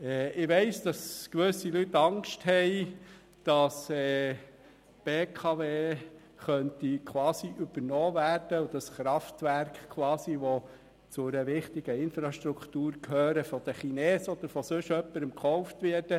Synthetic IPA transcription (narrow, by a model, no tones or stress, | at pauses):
ɛːɪʋɛɪsd̥ɑskʋɵsilyt̪ːɑŋkʃthɛɪ | d̥ɑsɛː | b̥eːkʰɑʋeː | χœntikʰʋwɑːsiʔyb̥əɾnɔːvæːɾd̥əud̥ɑsχɾɑft̪ʋæɾkχkʰːwɑːsiʋɔ | t͡sʊɾəʋɪχt̪iɡ̥əɪnfɾɑʃt̪ɾukt̪uːɾkhøːɾəfɔd̥̪əχinɛːsɔd̪əɾfɔsɵʃœpːəɾəmkχɔʊft̪ʋɪːɾd̥ə